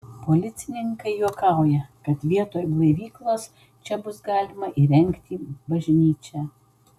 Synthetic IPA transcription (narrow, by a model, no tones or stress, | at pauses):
poːlʲɪt̪sʲɪnʲɪŋkɐɪjuɔkɑˑʊjɛkɐt̪ʋʲiɛt̪oːjblˠɐɪʋʲiːklˠoːs | t͡ʃʲɛbʊsɡɑːlʲɪmɐʔiːɾʲɛŋʲkt̪ʲiːbɐʒʲnʲiːt͡ʃʲɛ